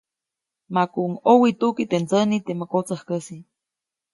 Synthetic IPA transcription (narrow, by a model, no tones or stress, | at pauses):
makuʔŋowit̪ukit̪ent͡sənit̪eməkot͡səhkəsi